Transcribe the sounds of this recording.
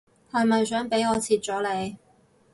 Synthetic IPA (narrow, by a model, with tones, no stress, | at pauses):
hɐ˨˩mɐ˨jsœː˨˥ŋpe˨˥jɔː˨˧t͡sʰiː˨˧t̚t͡sɔː˨˥le˨˧j